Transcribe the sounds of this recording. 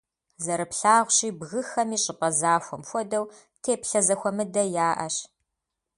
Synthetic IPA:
zɐɾɨpɬaːʁʷɕiːbɣɨxɐmiːɕʼɪpʼɐzaːxʷɔmxʷɔdɐw | tʰeːpɬɐzɐxʷɔmɨdɐjaːʔɐɕ

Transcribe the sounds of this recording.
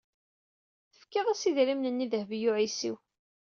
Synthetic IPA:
θəfkːiʁæsiðɾimnənːiðəhvjʊʕisiw

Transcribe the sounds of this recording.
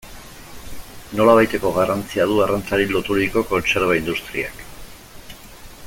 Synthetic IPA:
no̞laβ̞ajt̪e̞ko̞ɣarant͡siað̞uɣarant͡saɾilo̞t̪uɾiko̞ko̞nse̞ɾβ̞aind̪ust̪ɾḭa̰k

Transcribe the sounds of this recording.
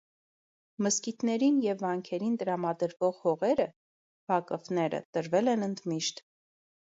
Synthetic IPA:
məskit̪nɛɾinjɛvːɑŋkʰɛɾint̪əɾɑmɑd̪əɾvɔʁhɔʁɛɾə | v̥ɑkəvnɛɾə̰t̪əɾvɛlɛnənd̪miʃt̪

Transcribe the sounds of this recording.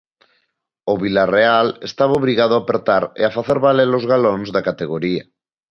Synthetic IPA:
oβilarealest̪aβaoβɾiɣað̞oapeɾt̪aɾḛafaθeɾβalelozɣalonzðakat̪eɣoɾia

